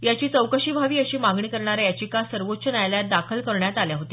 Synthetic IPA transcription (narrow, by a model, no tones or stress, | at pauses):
jat͡ɕiːt͡səwkəɕiːbʱaʋiːəɕiːmaɡɳiːkəɾɳaɾajat͡ɕiːkasəɾʋot̪ːt͡ɕʰənajljat̪̚d̪akʰəlkəɾɳjat̪aljaɦot̪e